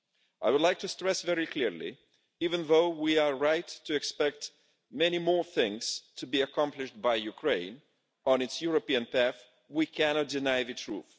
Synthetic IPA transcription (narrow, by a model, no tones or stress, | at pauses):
ʔaɪwʊdˡlaɪk̚tʰɨstɹ̥ɛsvɛɹikʰl̥ɪɹlḭ | ivɨ̃nðoʊwiə˞ɹaɪtʰːɨɨkspɛk̚t | mɛnimɔɹθɪ̃ŋz̥tʰɨbiɨkʰɑ̃mplɨʃt̚baɪjʉkʰɹ̥ẽɪ̃n | ə̃nɨtsjuɹopiɨ̃npʰæθ | wikʰænɑt̚d̥ɨnaɪðɨtʰɹṵθ